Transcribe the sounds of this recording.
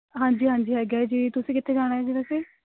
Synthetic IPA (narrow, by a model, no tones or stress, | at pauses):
ɦãːɲd͡ʒiːɦãːɲd͡ʒiːɦɛːɡaːd͡ʒiːt̪ʊsĩːkɪt̪ʰːeːd͡ʒaːɽ̃aːɛːd͡ʒiːbɛːseː